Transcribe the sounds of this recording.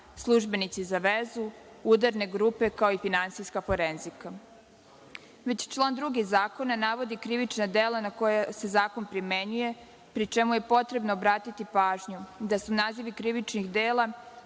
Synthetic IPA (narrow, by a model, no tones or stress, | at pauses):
slˠuʒbe̞nit̪sizaʋezu | ud̪aɾne̞ɡɾuːpe̞kao̞ifinansijskafo̞ɾenzika | ʋe̞t͡ɕt͡ʃlˠaːnd̪ɾuɡiɣzaːko̞nanaːʋo̞d̪ikɾiʋit͡ʃnad̪eːlanako̞jase̞zaːko̞npɾime̞ɲuje̞ | pɾit͡ʃe̞muje̞po̞t̪ɾe̞bnoːbɾaːt̪it̪ipaːʒɲud̪asunaːziʋikɾiʋit͡ʃnixd̪eːlˠa